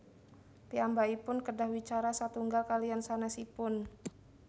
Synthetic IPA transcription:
piambaipʊnkədahwit͡ʃaɾasat̪uŋɡakaliansanasipʊn

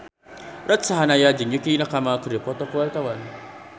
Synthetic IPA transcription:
rat̪̚saɦanajad͡ʒiɲukinakamakəɾipɔt̪ɔkuwalt̪awan

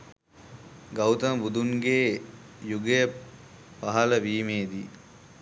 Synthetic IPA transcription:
ɡawt̪əməbud̪unɡeː | juɡejə | paɦɐləʋiːmeːd̪i

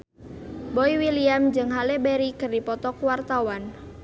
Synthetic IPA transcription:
bɔiwiliamd͡ʒɨŋɦalɛbɛɾikɨrdipɔt̪ɔkwart̪awan

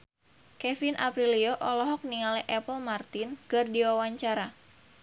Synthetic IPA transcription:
kɛfinʔa̰pɾilioʔɔlɔɦɔk̚niŋalɛʔɛpəlmart̪ɪnɡ̥ərdiwawaɲt͡ʃaɾa

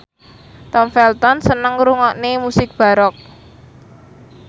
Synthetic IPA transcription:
t̪ɔmfɛlt̪ɔnsənəŋɾuŋɔʔnemusɪk̚b̥a̤ɾɔk̚

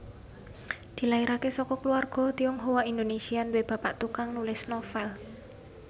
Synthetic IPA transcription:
d̪̥i̤laiɾakesɔkɔkəluarɡ̥ɔ̤t̪iɔŋɦowaind̪onesiandweb̥a̤paʔt̪ukaŋnulɪsnɔfɛl

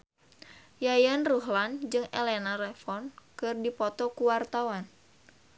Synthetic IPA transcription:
jajanruɦland͡ʒɨŋelɛnalɛfɔnkɨrdipɔt̪ɔkuwart̪awan

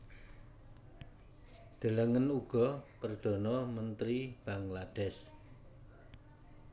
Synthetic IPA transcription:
d̪̥ə̤ləŋənuɡ̥ɔpərd̪̥ɔ̤nɔmənt̪ɾib̥aŋlad̥ɛs

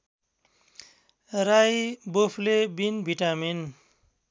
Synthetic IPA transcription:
ɾajbopʰlebinbʱiʈamin

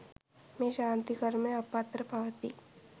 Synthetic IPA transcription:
mẽːʃãːnt̪ikəɾmẽɐpːaːt̪ɾəpaʋət̪iː

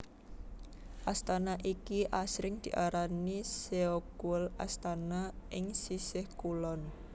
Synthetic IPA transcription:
ʔast̪anaʔikiʔasɾɪŋd̪̥i̤ʔaɾaniseokuəlast̪anaʔɪŋsisɪhkulɔn

